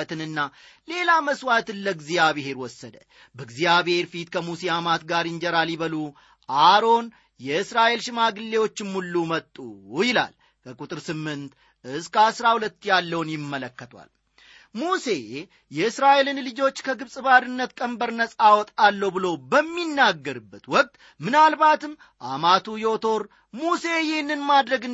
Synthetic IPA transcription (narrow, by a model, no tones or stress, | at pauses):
t̪ʰɨnɨnːa | le̞laməswat̪ɨnləɡzijaβɪɦe̞ɾwɔsːəd̪ə | bəɡzijaβhe̞ɾfit̪kʰəmusijamat̪ɡaɾɪnd͡ʒɛɾaljiβəlu | ʔaɾo̞n | jɛɨsɾaʔelʃɪmaɡɨlːe̞wo̞t͡ʃːɪmːulːumət̪ʼːujɪla̰l | kʰəkʼut̪ʼɨɾsɨmːɨnt̪ | ʔɨskʰəasɾahulət̪ːjalːəwnjɪmːələkːət̪ʰwa̰l | muse̞ | jɛɨsɾaʔelɨnlɨd͡ʒo̞t͡ʃːkʰəɡɨβsʼɨβaɾɨnːət̪kʼəmbəɾnəsʼawɔt̪ʼalːəwbɨlo̞bəmːinːaɡːəɾɨbːət̪wɔk̚ʼt̪ʼ | mɨnalbat̪ɨm | ʔamat̪ʰujɛot̪ʰo̞ɾ | muse̞jɛhnːɨnmad̪ɾəɡɨ